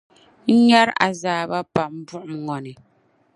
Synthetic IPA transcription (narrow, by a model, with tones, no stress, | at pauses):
ɲa˦ɾa̰˨zaː˨ba˦pa˨m̩˦bu˦ʔʊ˨mŋɔ˨nɪ˨